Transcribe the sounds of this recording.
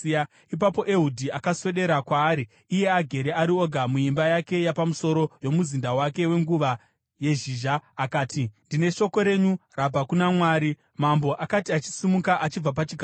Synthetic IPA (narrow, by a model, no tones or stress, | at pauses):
ip̬apo̞ʔe̞ɦudʱiakaswe̞ɗe̞ɾakwaːɾiː | je̞aɡʱe̞ɾe̞aɾio̞ɡʱamuimbajake̞japamuso̞ɾo̞jo̞muzindawake̞we̞ŋɡuʋa | je̞ʒiːʒaːkaːtindine̞ʃo̞ko̞ɾe̞ɲurabʱakunamwaːɾi | mambo̞ʔakatiat͡ʃi̥simukaʔat͡ʃib͡vap̬at͡ʃiɡʱa